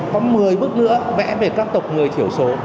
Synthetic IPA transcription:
kɔ˨˦mɨ˨˩əjɓɨ˦˥k̚nɨ̰˧˥əvɛ̰˧˥ve˨˩kaː˦˥k̚t̪ə˨˩wk͡p̚ŋɨ˨˩əjt͡ɕ̪ʰi˧˩əwso˧˦

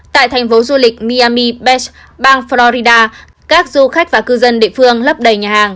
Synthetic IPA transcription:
t̪a̰ː˧˨jt̪ʰɛ˨˩ŋ̟fo˨˦zu˧lï˨˩k̟̚mi˧aː˧mi˧ɓɛ˦˥s | ɓaː˧ŋflɔ˧ɾi˧ɗaː˧ | kaː˦˥k̚zu˧xa˦˥k̟̚vaː˨˩kɨ˧zə˧nɗḛ˧˨fɨ˧əŋlə˦˥p̚ɗə˨˩jɲaː˨˩haː˨˩ŋ

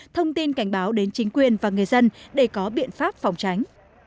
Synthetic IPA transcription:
t̪ʰə˧wŋ͡mt̪i˧nka˧˩jŋ̟ɓaː˨˦wɗe˨˦nt͡ɕï˨˦ŋ̟kwi˨˩ənvaː˨˩ŋɨ˨˩əjzə˧nɗe˧˩kɔ˨˦ɓḭ˧˨ənfaː˦˥p̚fa˨˩wŋ͡mt͡ɕa˨˦jŋ̟

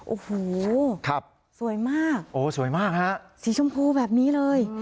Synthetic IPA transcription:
ʔoː˧˩hoː˨˩kʰa˦˥˩p̚ | su˨˩˦əjmaː˥˩k̚ʔoː˨˩su˨˩˦jmaː˥˩k̚ha˦˥ʔsi˩˦sʰo˧mkʰuː˧bɛː˨˩p̚niː˦˥lɤː˧j

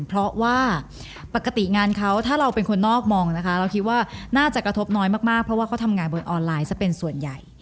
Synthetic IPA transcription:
pʰɾɔ˦˥waː˥˩ | pa˨˩kːa˨˧t̪i˨˩ŋaː˧nkʰa˦˥wt̪ʰaː˥˩ɾa˧wpe˧nkʰo˧nːɔː˥˩k̚mɔː˧ŋna˦˥kʰa˦˥ɾa˧wkʰi˦˥t̪̚waː˥˩naː˥˩t͡ɕa˨˩kɾa˧t̪ʰo˦˥p̚nɔː˦˥jmaː˥˩k̚maː˥˩k̚pʰɾɔ˦˥waː˥˩kʰa˦˥wt̪ʰa˧mŋaː˧nbo˧nʔɔː˧nlaː˧jt͡ɕa˨˩pe˧nsu˨˩ənja˨˩j

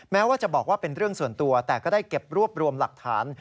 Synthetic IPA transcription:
mɛː˦˥waː˥˩t͡ɕa˨˩bɔː˨˩k̚waː˥˩pe˧nɾɯ˥˩əŋsu˨˩ənt̪u˧ɐt̪ɛː˨˩kɔː˥˩daː˥˩jke˨˩p̚ɾu˥˩əp̚ɾu˧əmla˨˩k̚t̪ʰa̰ː˩˦n

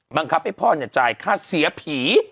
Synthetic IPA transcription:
ba˧ŋkʰa˦˥p̚ha˥˩jpʰɔː˥˩ɲa˨˩t͡ɕaː˧jkʰaː˥˩si˨˩˦ɐpʰiː˩˦

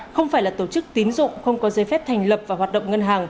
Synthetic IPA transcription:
xə˧wŋ͡mfaː˧˩jlaː˨˩t̪o˧˩t͡ɕɨ˦˥k̚t̪i˨˦nzʊ̰˧˨ŋ͡mxə˧wŋ͡mkɔ˨˦zəː˨˦fɛ˦˥p̚t̪ʰa˨˩jŋ̟lə˨˩p̚vaː˨˩waː˨˩t̚ɗə̰˧˨wŋ͡mŋə˧nɦaː˨˩ŋ

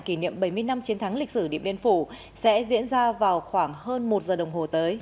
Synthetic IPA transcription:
ki˧˩nḭ˧˨əmɓə˧˩jmɨ˧əjna˧mt͡ɕi˨˦nt̪ʰa˨˦ŋli˨˩k̟̚sɨ˧˩ɗḭ˧əmɓi˧ənfu˧˩ | sɛ̰˧˥zḭ˧˥ənzaː˧vaː˨˩wxwaː˧˩ŋhəː˧nmo˨˩t̚zəː˨˩ɗə˨˩wŋ͡mɦo˨˩t̪əː˨˦j

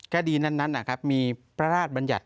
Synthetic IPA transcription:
ka˧diː˧na˥˩nːa˦˥nːʔa˨˩kʰa˦˥p̚miː˧pɾa˧ɾaː˥˩t̪̚ba˧nja̰˨˩t̪̚

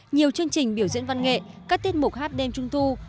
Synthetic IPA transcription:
ɲi˨˩əwt͡ɕɨ˧əŋt͡ɕï˨˩ŋ̟ɓi˧˩əwzḭ˧˥nva˧nŋḛ˧˨kaː˦˥k̚t̪i˦˥t̚mʊ˨˩k͡p̚haː˦˥t̚ɗe˧mt͡ɕʊ˧ŋ͡mt̪ʰu˧

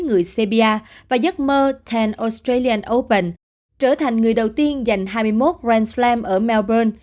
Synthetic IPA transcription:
ŋɨ˨˩əjse˧ɓi˧aː˧vaː˨˩zə˦˥t̚məː˧t̪ʰɛ˧nʔo˧st̪ɹe˧li˧ə˧nʔo˧˩pə̰˨˩n | t͡ɕəː˧˩t̪ʰa˨˩jŋ̟ŋɨ˨˩əjɗə˨˩wt̪i˧ənza˨˩jŋ̟ɦaː˧jmɨ˧əjmo˦˥t̚zɛ˧nslɛ˧mʔəː˧˩mɛ˧wbəː˧n

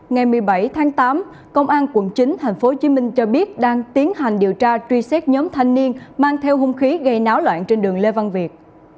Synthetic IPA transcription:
ŋa˨˩jmɨ˨˩əjɓa˧˩jt̪ʰaː˨˦ŋt̪aː˨˦m | kə˧wŋ͡mʔaː˧nkwə̰˧˩nt͡ɕï˨˦ŋ̟t̪ʰa˨˩jŋ̟fo˨˦t͡ɕi˨˦mï˧ŋ̟t͡ɕɔ˧ɓi˦˥ət̚ɗaː˧ŋt̪i˨˦ənɦa˨˩jŋ̟ɗi˨˩əwt͡ɕaː˧t͡ɕwi˧sɛ˦˥t̚ɲɔ˨˦mt̪ʰa˧jŋ̟ni˧ənmaː˧ŋt̪ʰɛ˧wɦʊ˧ŋ͡mxi˨˦ɣa˧jnaː˨˦wlwa̰ː˧˨nt͡ɕe˧nɗɨ˨˩əŋle˧va˧nvi˨˩ət̚

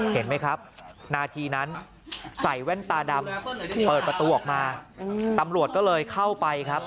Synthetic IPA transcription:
he˩˦nma˦˥jkʰɾa˦˥p̚naː˧t̪ʰiː˧na˦˥n | sa˨˩jwɛ˥˩nt̪aː˧da˧mpɤː˨˩t̪̚pɾa˧t̪uː˧ʔɔː˨˩k̚maː˧t̪a˧mɾu˨˩ət̪̚kɔː˥˩lɤː˧jkʰa˥˩wpa˧jkʰɾa˦˥p̚

